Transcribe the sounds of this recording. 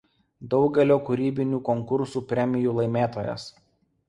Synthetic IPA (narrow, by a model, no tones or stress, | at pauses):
d̪ɒʊɡʲɛlʲoːkʊɾʲiːbʲɪnʲuːkɔŋkʊɾsuːpʲɾʲɛmʲɪjuːlˠɐɪmʲeːt̪oːjɛ̰s